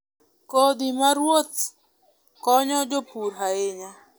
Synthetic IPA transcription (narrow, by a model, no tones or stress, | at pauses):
kod̪imaɾwot̪̚ | kɔɲɔd͡ʒopuɾɦaeɲa